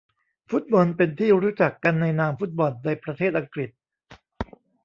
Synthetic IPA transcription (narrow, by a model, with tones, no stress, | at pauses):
fu˦˥t̪̚bɔ˧npe˧nt̪ʰiː˥˩ɾuː˦˥t͡ɕa˨˩kːa˧nːa˧jnaː˧mfu˦˥t̪̚bɔ˧nːaː˧jpɾa˧t̪ʰeː˥˩t̪̚ʔa˧ŋkɾi˨˩t̪̚